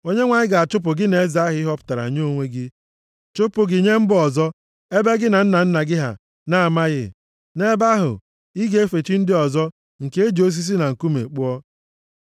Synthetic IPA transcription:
o˦ɲe˦ŋʷa˨ɲɪ˦ɡa˨a˨t͡ʃʊ˦p̬ʊ˨ɡɪ˦ne˨˦za˦ɦɪ˦ɪ˦ɦɔ˦pʊ̥˨ta˨ɾa̰˨ɲ˦o˦˨ŋʷe˦ɡɪ˦ | t͡ʃʊ˦pʊ˨ɡɪ˨ɲe˦m̩˦bʊ˦ɔ˨zɔ˦ | e˦be˦ɡɪ˦na˨n̩˦na˨n̩˦na˨ɡɪ˦ɦa̰˨ | na˦a˨ma˦ɣɪ̰˦ | ne˦ba˦ɦʊ̰˨ | i˦ɡe˦e˦fe˨t͡ʃi˦n̩˦dɪ˦ɔ˨zɔ˦ | ŋ̩˨ke˦e˦d͡ʒo˦s̬i˦s̬i˦na˨ŋ̩˨ku˦mḛ˨k͡pʊ˦ɔ˦

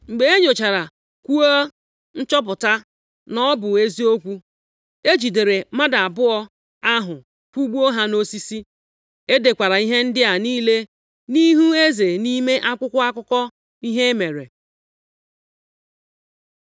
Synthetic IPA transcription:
ŋ͡m̩˨ɡ͡be˨e˦ɲo˨t͡ʃa˨ɾa˨ | kʷu˦o˦ | n̩˦t͡ʃɔ˦p̬ʊ˨ta˦ | nɔ˦bʊ˨e˦zi˦o˦kʷu˦ | e˦d͡ʒi˨de˨ɾe˨ma˦da˨a˨bʊ˦ɔ˦ | a˦ɦʊ˨ | kʷu˦ɡ͡bu˦o˦ɦa˦no˦si˦si˦ | e˦de˨kʷa˨ɾa˨i˦ɦe˦n̩˦dɪ˦a˨niː˦le˦ | ni˦ɦu˦e˦ze˨ni˦me˦ʔa˦kʷʊ˦kʷʊ˦a˦kʷʊ˦kɔ˦ | i˦ɦe˦e˦me˨ɾḛ˨

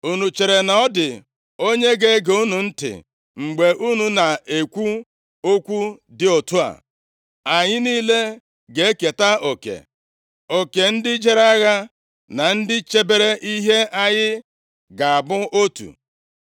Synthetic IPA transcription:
u˨nu˨t͡ʃe˨ɾe˨na˦ɔ˦dɪ˨ | o˦ɲe˦ɡe˦ɡe˨u˦nu˨n̩˦tɪ̰˨ | ŋ͡m̩˨ɡ͡be˨ʔu˦nu˨na˨e˨kʷu˦ | o˦kʷu˦dɪ˨o˨tu˦a̰˨ | a˨ɲɪ˦niː˦le˦ | ɡe˨e˦ke˨ta˦o˨kḛ˨ | o˨ke˨n̩˦dɪ˦d͡ʒe˦ɾa˦ɣa˦ | na˨n̩˦dɪ˦t͡ʃe˦be˦ɾe˦ʔi˦ɦe˦ʔa˦ɲɪ˦ | ɡa˨a˨bʊ˦o˦tṵ˨

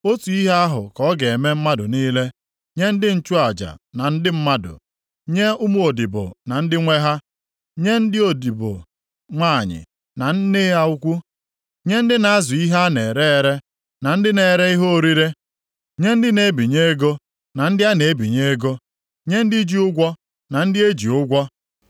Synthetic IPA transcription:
o˦tu˨i˦ɦa˦a˦ɦʊ˨kɔ˦ɡe˨e˨me˦m̩˦ma˦dʊ˨niː˦le˦ | ɲe˦n̩˦dɪ˦n̩˦t͡ʃu˦a˨d͡ʒa̰˨na˨n̩˦dɪ˦m̩˦ma˦dʊ̰˨ | ɲe˦ʊ˦mu˦o˨di˨bʊ̰˨na˨n̩˦dɪ˦ŋʷe˦ɦa˦ | ɲe˦n̩˦dɪ˦o˨di˨bʊ̰˨ | ŋʷa˦˨ɲɪ̰˨ | na˨n̩˦nɪ˦a˨u˦kʷu˦ | ɲe˦n̩˦dɪ˦na˨a˦zʊ˨i˦ɦa˦ne˨ɾe˦e˨ɾe˦ | na˨n̩˦dɪ˦ne˨ɾe˦i˦ɦo˦o˦ɾi˦ɾe˦ | ɲe˦n̩˦dɪ˦ne˨˦bi˨ɲe˦e˦ɡo˦ | na˨n̩˦dɪ˦a˦ne˨e˦bi˨ɲe˦e˦ɡo˦ | ɲe˦n̩˦dɪ˦d͡ʒi˦ʊ˦ɡʷɔ˦ | na˨n̩˦dɪ˦e˦d͡ʒi˨ʊ˦ɡʷɔ˦

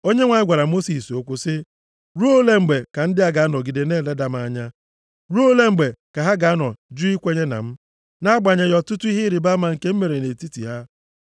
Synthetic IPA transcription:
o˦ɲe˦ŋʷa˨ɲ˦ɡʷa˨ɾa˨mo˦si˨so˦kʷʊ˦sɪ˦ | ɾu˦o˦le˦ŋ͡m̩˨ɡ͡be˨ka˨n̩˦dɪ˦a˦ɡa˨a˦nɔ˨ɡi˨de˨ne˦˨le˦da˨m̩˦a˦ɲa˦ | ɾu˦o˦le˦ŋ͡m̩˨ɡ͡be˨ka˨ɦa˦ɡa˨a˦nɔ˨d͡ʒu˦i˦kʷe˦ɲe˦na̰˨m̩˦ | na˦ɡ͡ba˨ɲe˨jɔ˨tʊ˦tʊ˦i˦ɦi˦ɾɪ˨ba˦ma˨ŋ̩˨ke˦m̩˦me˨ɾe˨ne˨ti˦tḭ˨ɦa˦

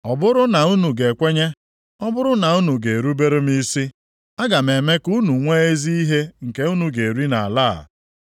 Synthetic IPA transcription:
ɔ˨bʊ˦ɾʊ˦na˨u˦nu˨ɡe˨kʷe˦ɲe˦ | ɔ˦bʊ˦ɾʊ˦na˨u˦nu˨ɡe˨ɾu˦be˦ɾʊ˦mi˦si˦ | a˦ɡa˨me˨me˦ku˦nu˨ŋʷe˦e˦zi˦i˦ɦe˦ŋ̩˨ke˦u˦nu˨ɡe˨e˨ɾi˦na̰˨a̰˨la̰˦˨

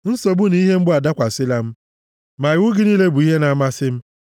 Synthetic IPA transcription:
n̩˦so˨bʊ˦ni˦ɦe˦m̩˦ɡ͡bʊ˦a˨da˦kʷa˨sɪ˦la˦m̩˦ | ma˨ɪ˨wʊ˦ɡɪ˦niː˦le˦bu˨i˦ɦe˦na˨ma˦sɪ˦m̩˦

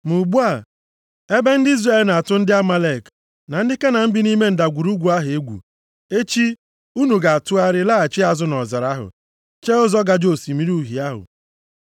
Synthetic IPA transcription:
mu˨ɡ͡bu˦a˨ | e˦be˦n̩˦dɪ˦i˦zra˦˨e˨lna˨a˨tʊ˦n̩˦dɪ˦a˦ma˦le˨k | na˨n̩˦dɪ˦ke˦na˨m̩˦bɪ˦ni˦me˦n̩˨da˨ɡʷu˨ɾu˦ɡʷu˨a˦ɦe˦ɡʷṵ˨ | e˦t͡ʃi˦ | u˦nu˨ɡa˨a˨tʊ˦a˦ɾɪ˦la˦a˨t͡ʃɪ˦a˨zʊ˦nɔ˨za˨ɾa˦ɦʊ̰˨ | t͡ʃe˦ʊ˦zɔ˦ɡa˨d͡ʒo˨si˨mi˦ɾu˦˨ɦi˨a˦ɦʊ̰˨

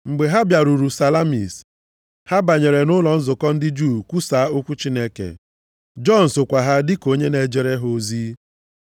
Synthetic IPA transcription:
ŋ͡m̩˨ɡ͡be˨ɦa˦bja˨ɾu˨ɾu˨sa˨la˦mḭ˨s | ha˦ba˨ɲe˨ɾe˨nʊ˦lɔ˨n̩˦zʊ˨kɔ˦n̩˦dɪ˦d͡ʒu˦˨kʷu˦sa˨˦o˦kʷu˦t͡ʃi˦ne˦kḛ˨ | d͡ʒɔ˦n̩˨sʊ˨kʷa˨ɦa˦dɪ˦ko˦ɲe˦ne˨d͡ʒe˦ɾe˦ɦo˨ziː˦

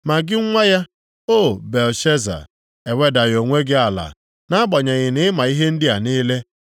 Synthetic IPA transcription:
ma˨ɡɪ˦ŋʷa˦ja˦ | o˦˨be˨lʃe˦za̰˨ | e˨we˦da˨ɣo˨ŋʷe˦ɡɪ˦a˨la̰˨ | na˦bɔ˨ɲe˨ɣɪ˨nɪ˦ɪ˦ma˨i˦ɦe˦n̩˦dɪ˦a˨ni˦le˦

